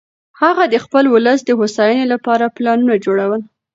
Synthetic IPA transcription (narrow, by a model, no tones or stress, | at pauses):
haɣad̪əxpəlwʊləsd̪əhosɑjənelapɑɾaplɑnunad͡ʒoɽawəl